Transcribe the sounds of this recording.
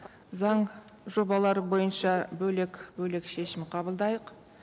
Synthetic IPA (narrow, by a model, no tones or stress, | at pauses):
zɑɴ | ʒo̞bɑlˠɑɾəbo̞jənʃɑbɵlekʲbɵle̞kʃe̞ʃɪmqʰɑbəlˠd̪ɑjəq